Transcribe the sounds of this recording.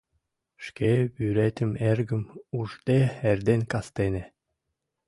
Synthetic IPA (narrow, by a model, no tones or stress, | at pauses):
ʃkʲebyɾet̪ʲɘ̆meɾɡɘ̆muʐd̪eɛɾd̪enkast̪enʲe